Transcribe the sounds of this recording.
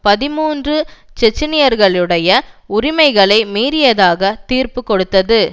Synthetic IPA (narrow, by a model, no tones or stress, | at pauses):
pɐðɪmuːndrɯt͡ʃɛt͡ʃːɪnɪjɐɾɣɐɭɯɽɐjɐʊɾɪmɐɪɣɐɭɐɪmiːɾɪjɐðaːɣɐt̪iːɾpɯkːɔɽɯt̪ːɐðɯ